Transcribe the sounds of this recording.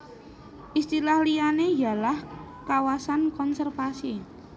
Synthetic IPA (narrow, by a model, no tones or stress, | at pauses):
ʔist̪ilahlianejalah | kawasankɔnsɛrfasi